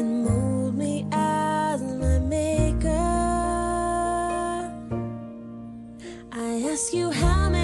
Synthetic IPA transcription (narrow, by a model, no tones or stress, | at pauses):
ɨ̃nmod̚miʔazɨ̃naɪmeɪkʌ | ʔaɪæskjɨɦaʊmɛ